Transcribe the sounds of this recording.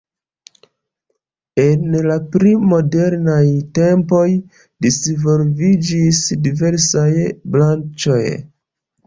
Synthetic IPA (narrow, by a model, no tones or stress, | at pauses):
e̞nlapɾimo̞de̞ɾnajte̞mpo̞j | disvo̞lvid͡ʒisdive̞ɾsajblant͡ʃo̞j